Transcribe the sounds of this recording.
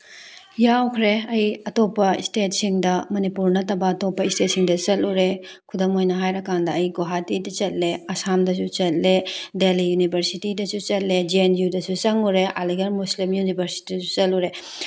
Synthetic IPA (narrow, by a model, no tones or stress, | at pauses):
jawkʰɾeɐjɐtopːɐḭstet̚siŋdɐmɐnipuɾnɐtɐbɐːtopːɐistet̚siŋdɐt͡ʃɐluɾekʰudɐmojnɐɦajɾɐkandɐːjɡoɦatidɐt͡ʃɐt̚leɐsamdɐs̬ut͡ʃɐt̚ledelijunibʱɐɾsitidɐsut͡ʃɐt̚led͡ʒienjudɐsut͡ʃɐŋuɾeʔaliɡɐɾmuslimjunibʱɐɾsi̥tisut͡ʃɐluɾe